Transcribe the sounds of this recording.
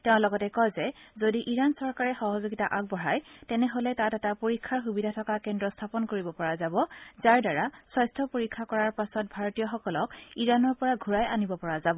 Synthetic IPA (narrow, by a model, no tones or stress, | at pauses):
tɛʊ̃lɔɡɔtɛkɔjzɛzodiʔiɹansɔɹkaɹɛxɔɦɔzoɡitaʔak̚bɔɹajtɛnɛɦolɛtatɛtapoɹikʰːaɹxubidʱatʰɔkakɛndɹɔstʰapɔnkoɹibɔpɔɹazabɔzaɹdaɹasɔjstʰɔpoɹikʰːakɔɹaɹpasɔt̚bʱaɹɔtijɔxɔkɔlɔkiɹanɔɹpɔɹaɡʱuɹajanibɔpɔɹazabɔ